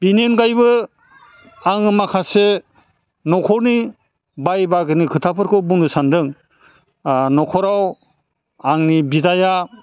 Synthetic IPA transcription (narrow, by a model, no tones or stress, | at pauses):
b̥inenɡajbɯ | aŋɯmakʰase | nɔkʰɔɾni | bajbaɡɯnikʰɯtʰapʰɯɾkʰɯwbundɯsandɯŋ | nɔkʰɔɾaw | aŋnibidaja